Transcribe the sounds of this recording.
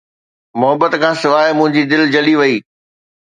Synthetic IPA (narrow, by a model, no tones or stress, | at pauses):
mʊɦəbət̪kʰãːsɪʋaːɪmʊ̃ɦɪ̃ɲd͡ʑid̪ɪld͡ʑɐliʋɐiː